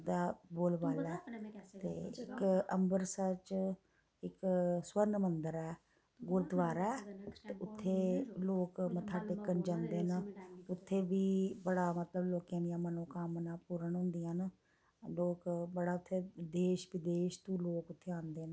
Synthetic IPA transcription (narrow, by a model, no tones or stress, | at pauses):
d̪aːboːlbaːlɛːt̪ḛːɪ̰kəmbəɾsət͡ʃ | ɪkswəɾnmənd̪əɾɛː | ɡʊɾd̪ʋaːɾɛːt̪eːʊt̪ʰːeːloːkmə̃t̪ʰaːɖekːənd͡ʒãːnd̪eːnʊt̪ʰːeːbiːbəɽaːmət̪ləbloːkjãːd̪ijãːmənõːkamnaːpuːɾəɳɦʊ̃nd̪ijãːn | loːkbəɽaːʊt̪ʰːeːd̪eːʃʋɪd̪eːʃt̪ũːloːkʊt̪ʰːeːãːnd̪eːn